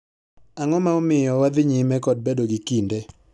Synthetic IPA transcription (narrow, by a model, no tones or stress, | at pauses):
aŋɔmaomɪjɔwad̪ɪɲimɛkɔd̚bedoɡikinde